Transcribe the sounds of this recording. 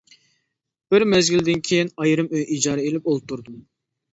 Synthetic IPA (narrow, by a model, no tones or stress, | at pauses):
b̥ɪɾmɛzɡʲild̪ɪnkʲʰejinɑjɾɨmøjʔid͡ʒɑːɾɛelɪp̚olˠp̚t̪ʰːuɾd̪um